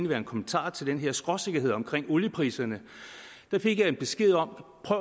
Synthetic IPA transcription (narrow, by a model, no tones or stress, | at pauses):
nəʋæɐe̝nkʰɒ̽mənt͡sʰɑ̰̈ːt͡sʰe̝ld̥enɦe̝ɐ̰sɡ̥ʁɒse̝ɡ̥ɐɦe̝ð̰ˠɒ̽mkʰʁeŋ̰ɔljəpʰʁḭːsɐnə | d̥ɑ̈fe̝ɡ̥jɑ̈e̝d̚b̥e̝sɡ̥e̝ð̞̰ˠɒ̽m̰pʰʁœʊ̰